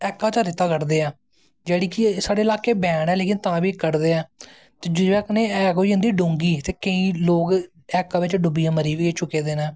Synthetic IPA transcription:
ɛːkːãːt͡ʃaːɾɪt̪aːkəɾd̪eːɛː | d͡ʒeːɽiːkɪsaːɽeːlaːkeːbɛ̃ːɽɛːleːkɪnt̪ãːʋiːkəɾd̪eːɛː | t̪eːd͡ʒʊɛːkneːɛːkoːiːə̃nd̪iːɖõːŋɡiːt̪eːkəĩːloːɡ | ɛːkːãːʋɪt͡ʃɖʊbijãːməɾiːʋit͡ʃʊkːeːd̪eːnɛ̃ː

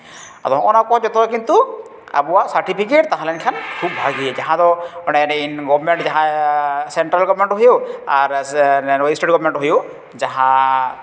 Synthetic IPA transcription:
at̪ɔɔnakɔɦad͡ʒɔt̪ɔɾɔkint̪u | a̰buwasaɾʈipʰikeʈt̪aɦalɛnkʰankʰubbʱaɡied͡ʒaɦãd̪ɔɔnɛneinɡɔbɾmeɳʈd͡ʒaɦãseɳʈɾalɡɔbɾmeɳʈɦojoaɾɔjsʈeʈɡɔbmeɳʈɦojo | d͡ʒaɦã

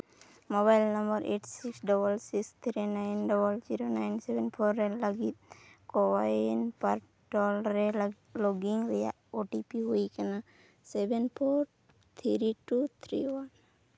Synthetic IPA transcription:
mobajlnəmbəɾʔeʈsiksɖɔbəlsikst̪ʰɾinajnɖɔbəld͡ʒiɾonajnsebenpʰoɾːeləɡit̪̚kowajnpaɾ | ʈolɾe | loɡiŋɾɛja̰ʔoʈipiɦuikana | sebenpʰoɾ | t̪ʰiɾiʈut̪ʰɾḭwan

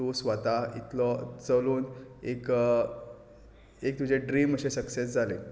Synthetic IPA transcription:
osʋat̪aḭt̪lɔt͡səluːnek | ek̚t̪ud͡ʑeɖɾiːməɕesəksesd͡zʱale

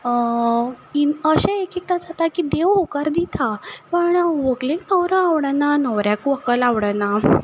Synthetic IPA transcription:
iəɕaekek̚t̪ad͡zat̪akid̪eʋɦukaɾd̪it̪ʰapəɳʋoɡleknəwɾəaʋɽənanəʋɾjakuʋəkəlaʋɽəna

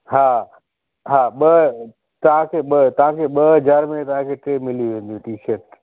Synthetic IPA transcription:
ɦaː | ɦaːɓɐ | t̪ɐʋ̤ãkʰeːɓət̪ɐʋ̤ãkʰeːɓɐɦɐd͡ʑaːɾmẽt̪ɐʋ̤ãkʰeːʈɾeːmɪlijuʋẽːn̆d̪ijũʈiːʃəɾʈ

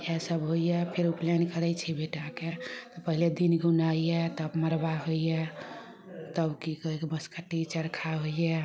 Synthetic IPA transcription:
ɛsəbɦojjɛpʰeɾuplenkəɾɛjt͡ʃʰibeʈaket̪ɔpəɦiled̪inɡunaijet̪əbməɾbaɦojjɛ | t̪əbkikəɦiebəskəʈːit͡ʃəɾkʰaɦoiɛ

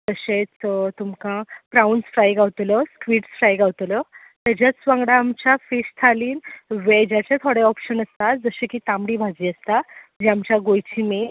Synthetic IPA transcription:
t̪əɕet͡st̪umkãpɾawɳɖsfɾajɡaʋt̪lɔskʋiːʈsfɾajɡaʋt̪lɔ | t̪jad͡ʑjat͡ssʋãŋɡɽaːmt͡ɕafist̪ʰaliːnʋed͡ʑat͡ɕet̪ʰoɽeɔpɕənəst̪ad͡zəɕẽkiːt̪amɽiːbʱad͡ziːəst̪ad͡ʑiamt͡ɕjaɡojt͡ɕʰimi

